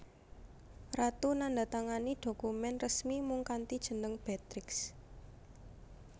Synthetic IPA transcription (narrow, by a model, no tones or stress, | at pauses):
rat̪unandat̪aŋanid̪̥o̤kumɛnrəsmimuŋkant̪id̥ʒ̥ə̤nəŋb̥ɛt̪ɾɪks